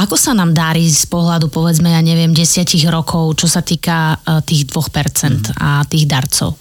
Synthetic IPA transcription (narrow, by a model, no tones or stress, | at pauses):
akɔsanaːmd̪aɾiːspɔɦlad̪upɔʋɛd͡zmɛjaɲɛʋɪɛmɟɛsɪaciɣɾɔkʰɔʊt͡ʃɔsat̪iːkat̪iːɣd̪ʋɔxpɛɾt͡sɛnt̪a̰t̪iːɣd̪aɾt͡sɔ̰ʊ